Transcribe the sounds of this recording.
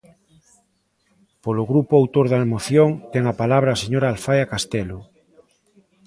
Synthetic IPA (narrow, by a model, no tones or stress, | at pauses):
poloɣɾupoawt̪oɾðalmoθjoŋt̪ɛŋapalaβ̞ɾaːseɲoɾaːlfajakast̪ɛlo